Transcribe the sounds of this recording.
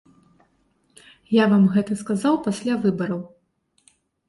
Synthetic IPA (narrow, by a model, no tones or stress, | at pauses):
javamɣɛt̪ɐskazawpasʲlʲavɨbɐɾɐw